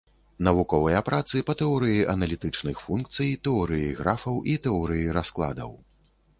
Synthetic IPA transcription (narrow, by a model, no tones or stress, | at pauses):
nɐvukɔvɐjɐpɾat̪sɨpɐt̪ɛɔɾɨjiʔɐnɐlʲit̪ɨt͡ʂnɨxfunkt̪sɨjt̪ɛɔɾɨjiɣɾafɐwʔit̪ɛɔɾɨjiɾasklˠa̰d̪ɐ̰w